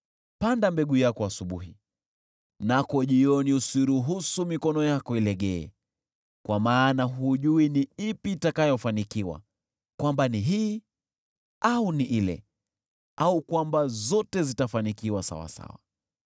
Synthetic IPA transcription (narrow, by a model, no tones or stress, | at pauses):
pandambɛɠujakɔasuɓuɦi | nakɔʄiɔniusiɾuɦusumikɔnɔjakɔilɛɠɛɛ̰ | kwamaːnaɦuʄuiniipiːtakajɔfanikiwa̰ | kwambaniɦiː | auniʔilɛ̰ | aukwambazɔtɛzitafanikiwasa̰wa̰sa̰wa̰